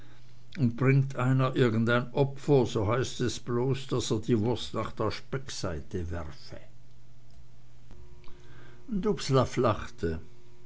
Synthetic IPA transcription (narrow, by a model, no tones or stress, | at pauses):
ʊnt̚b̥ʁɪŋktʰʔaɪnɐʔɪɐɡn̩daɪnʔɔpfɐzoɦaɪstɛsb̥loːsd̥aseːɐdiːvʊɐstnaːχd̥eːɐʃpɛksaɪtəvɛʁfə | ndupslaflaχtə